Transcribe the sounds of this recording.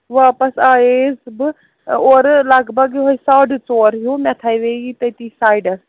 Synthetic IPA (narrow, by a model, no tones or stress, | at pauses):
ʋaːpɐsaːeːzbɨ | oːɾlaːɡbɐɡɦoisaːɖt͡soːɾɦjumʲɛt̪ʰaːjʋeːɡit̪ɐjt̪iːsaːjɖɐs